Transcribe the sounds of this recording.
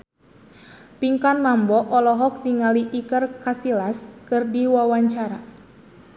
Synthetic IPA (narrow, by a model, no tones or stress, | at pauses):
piŋkanmambɔʔɔlɔɦɔk̚diŋaliʔikərkasilaskɨrdiwawaɲt͡ʃaɾa